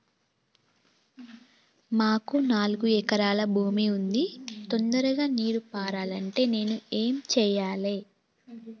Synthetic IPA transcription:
maːkunaːluɡuɛkɐɾaːlɐbʱuːmiund̪it̪ond̪ɐɾuɡaːniːɾupaːɾaːlɐɳʈe̞ːne̞ːnue̞ːmt͡ʃɛːjaːle̞ː

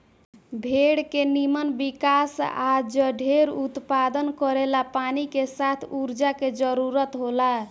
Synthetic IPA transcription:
bʱeɽkenimənbikasad͡ʒəɖʱeɾut̪pad̪ənkəɾelapanikesat̪ʰuɾd͡ʒaked͡ʒəɾuɾət̪ɦola

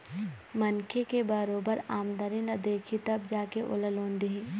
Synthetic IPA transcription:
mɐnkʰekebəɾoːbəɾaːmd̪əɾinɐd̪eːkʰit̪ɐbd͡ʒaːkeʔo̰ləlõːnd̪eɦɛ̃ː

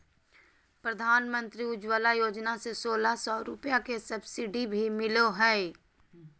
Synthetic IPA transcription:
pɾəd̪ʱaːnmə̃nt̪ɾiʊd͡ʒwəlajoːd͡ʒnasesoːlasɔːɾʊpjakesɐbsɪɖibʱimɪloɦɛː

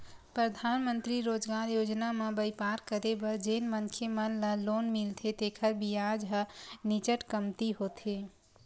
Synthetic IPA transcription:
pɾəd̪ʱanmənt̪ɾiɾod͡ʒɡaɾjod͡ʒnamẽbəjpaɾkəɾebəɾd͡ʒenmənkʰemənlə̃lonmilt̪ʰet̪ekʰəɾbijad͡ʒɦənit͡ʃəʈkəmt̪iɦot̪ʰe

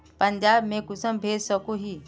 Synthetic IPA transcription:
pɐɲd͡ʒaːbmẽkʊsəmbʱeːsɔkoɦiː

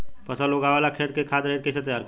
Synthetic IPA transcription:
pɐsaloɡaːʋaːlakʰeːt̪̚kekʰaːt̪ɾɛɦet̪̚kes̬et̪jaːɾk

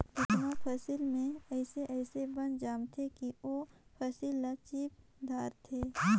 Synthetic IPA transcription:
ʊt̪mãpʰɐsɪlmẽɛːseʔɛːsebɐnd͡ʒaːmt̪ʰekioːpʰɐsilːat͡ʃiːp̚ | d̪ʱaːɾt̪ʰeː

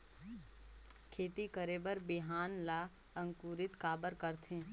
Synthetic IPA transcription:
kʰeːt̪ikəɾeːbəɾbɪɦaːnlaː | ɐ̃ŋkuːɾɪt̪kaːbəɾkəɾt̪ʰẽː

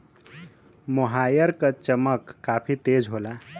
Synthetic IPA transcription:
moɦajəɾkət͡ʃəməkːafʰiːt̪ed͡zɦola

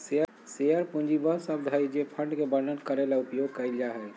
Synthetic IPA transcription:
seə | sejəɾpũnd͡ʒibəsəbd̪ʱəjd͡ʒepʰəɳɖkebəɾnənkəɾelaupjoɡ̚kəɪld͡ʒaɦɛ

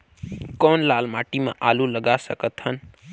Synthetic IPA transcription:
kɔnlalmaʈimã̰ʔaluləɡasə̰kət̪ɦən

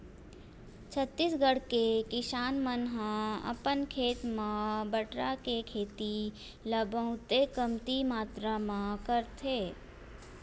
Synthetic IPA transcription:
t͡ʃʰət̪ːiːsɡəɽkekɪʃaːnmənɦãə̰pənkʰeːt̪mãbəʈɾakekʰeːt̪i | ləbə̃ʊ̃t̪ekəmt̪imaːt̪ɾamãkəɾt̪ʰeː

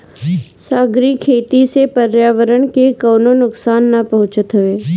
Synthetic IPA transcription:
saːɡɾikʰeːt̪isepəɾjaːʋəɾəɳ̃kekoːnonʊksaːnːapɐɦʊ̃t͡ʃət̪ɦʊʋeː

